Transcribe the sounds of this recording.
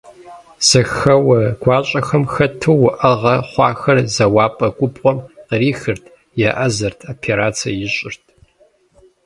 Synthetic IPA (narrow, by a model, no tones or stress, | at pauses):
z̥ɐxɐwɐɡ̥ʷɑːɕʼɐxɐmxɐtʰɨːʊʔɐʁɐχʷɑːxɐrzɐwɑːpʼɐɡʷʼʊpʼqʷʼɔmqəriːxɨrtʰ | jɛʔɐzɐrtʰoːpʰeɾaːt͡sʰɐ̰jɪɕʼɪrtʰ